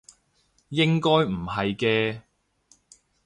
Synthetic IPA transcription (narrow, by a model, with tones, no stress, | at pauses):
jɪ˥ŋkɔː˥jm̩˨˩hɐ˨jkɛː˧